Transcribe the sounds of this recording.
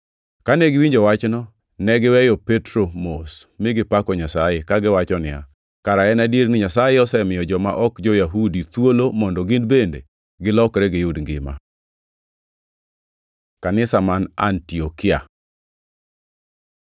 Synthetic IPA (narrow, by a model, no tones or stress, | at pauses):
kaneɡɪwiɲd͡ʒoɔwat͡ʃnɔ | nɛɡɪwɛjɔpetɾomos | mɪɡɪpakɔɲasajekaɡɪwat͡ʃɔnɪja̰ | kaɾaɛnadjeɾnɪɲasajeɔsɛmɪjɔd͡ʒɔma̰ʔɔkd͡ʒojaɦudit̪wolomɔndɔɡɪndbendḛ | ɡɪlɔkɾɛɡɪjʊdŋɡɪ̰ma̰ | kanɪsamana̰ntiɔkɪa̰